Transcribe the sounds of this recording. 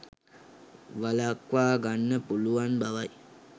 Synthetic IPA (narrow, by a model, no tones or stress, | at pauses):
ʋalakʋaːɡanːəpuluʋanbaʋaj